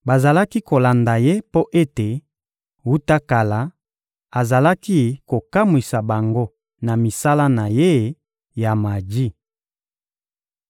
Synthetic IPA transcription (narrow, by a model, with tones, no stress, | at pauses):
ba˨za˨la˦ki˦ko˨la˨nda˨je˦po˦ʔe˦te˨ | wu˦ta˦ka˨la˨˦ | a˨za˨la˦ki˦ko˨ka˦mwi˨sa˨ba˨ŋɡo˦ | na˨mi˨sa˦la˦na˨je˦ | ja˨ma˨di˦